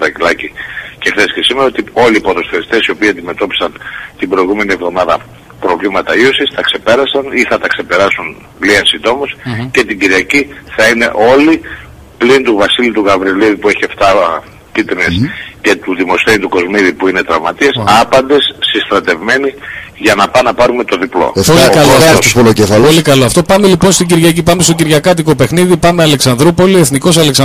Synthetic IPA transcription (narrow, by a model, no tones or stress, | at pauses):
ðɐcilɐcice̞xθe̞scesimeɾɐot̪io̞liːpot̪o̞sθeɾist̪e̞sio̞piːɐnd̪ime̞t̪o̞pi̥sɐnt̪ibɾo̞iɣume̞nievðo̞mɐðɐ | pɾo̞vlimɐt̪ɐio̞sist̪ɐkse̞pe̞ɾɐsɐniθɐt̪ɐkse̞pe̞ɾɐsun | liensind̪o̞mosce̞t̪iɟiɾiɐciθɐine̞̰ʔo̞li | plint̪uvɐsilit̪uɣɐvɾiliðipue̞çieft̪ɐ | pit̪ɾnesce̞t̪uðimo̞sθenit̪uko̞zmiðipuine̞t̪ɾɐ̰vmɐt̪iesɐpɐnd̪e̞sːist̪ɾɐt̪e̞vme̞niʝɐnɐpɐnɐpɐɾume̞t̪o̞ðiplo̰polikɐlot̪opolocefɐlpolikɐloɐft̪o̞pɐme̞lipo̞nst̪iɟiɾʝɐcipɐmest̪o̞ciɾʝɐkɐt̪̬iko̞pe̞xniðipɐmeɐle̞ksɐnðɾupo̞lie̞θniko̞sɐle̞ksɐ